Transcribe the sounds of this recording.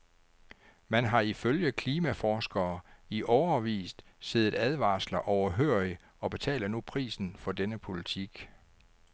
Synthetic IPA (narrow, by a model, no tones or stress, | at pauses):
mænɦɑ̈iføljəkʰliːmæfɒːsɡ̥ɐːiʔɒʊɐʋḭːsd̥se̝ð̞̩ˠæð̞ˠʋɑ̰̈ːslɐʔɒʊɐɦøɐ̰i | ɒ̽b̥e̝t͡sʰɛ̰ːlð̩nupʰʁḭːsn̩fɒ̽d̥enəpʰo̝lit͡sʰiɡ̥